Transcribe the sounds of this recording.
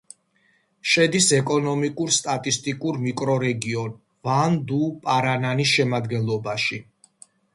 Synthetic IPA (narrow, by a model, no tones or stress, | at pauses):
ʃɛd̪isɛkʼɔnɔmikʼuɾst̪ʼat̪ʼist̪ʼikʼuɾmikʼɾɔɾɛɡiɔn | vand̪upʼaɾananisʃɛmad̪ɡɛnlˠɔbaʃi